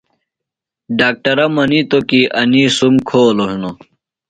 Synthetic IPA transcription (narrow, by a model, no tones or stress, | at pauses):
ɖaːk̚ʈɐɾɐmɐnit̪okiʔɐnisumkʰoːloʂuno